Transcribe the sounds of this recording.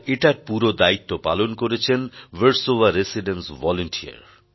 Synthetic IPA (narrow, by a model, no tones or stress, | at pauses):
eʈaɾpuɾod̪ait̪ːopalonkoɾet͡ɕʰenʋeɾsoʋaɾesiɖensvɔloɳʈia̰ɾ